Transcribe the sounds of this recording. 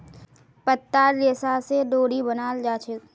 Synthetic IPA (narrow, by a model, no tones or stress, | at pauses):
pət̪ːaːɾleːsaseɖoːɽibənaːld͡ʒaːt͡ʃʰe